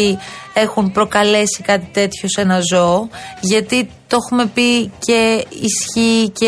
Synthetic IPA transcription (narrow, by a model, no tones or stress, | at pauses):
ie̞xumpɾo̞kɐle̞sikɐt̪i̥t̪e̞t̪ço̞se̞nɐzo̞ʝɐt̪it̪o̞xume̞pice̞isçice